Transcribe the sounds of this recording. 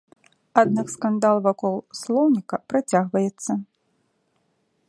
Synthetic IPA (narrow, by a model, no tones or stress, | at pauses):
ad̪nakskand̪alˠvakɔlˠslˠɔwnʲikɐpɾat͡sʲaɣvɐjɛt̪sːɐ